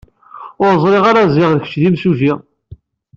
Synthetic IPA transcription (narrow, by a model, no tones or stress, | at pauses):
ʊɾzˤɾiʁaɾaziʁðəçə̥t͡ʃːðimsuʒi